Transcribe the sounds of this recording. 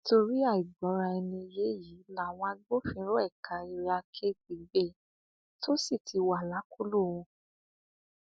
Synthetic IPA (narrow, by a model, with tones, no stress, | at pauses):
to˧ɾi˦a˦˨i˨ɡ͡bɔ˨˦ɾa˧ɛ˧nĩ˧je˨˦ji˨˦la˦˨w̃ɔ̃˧a˧ɡ͡bo˦fĩ˧˦ɾo˦ɛ˦˨kʰa˨i˧ɾi˧a˧kʰe˦k͡pi˨˦ɡ͡be˦˨ | tʰo˦si˦˨tʰi˧wa˨la˨˦kʰo˦lo˦˨wũ˧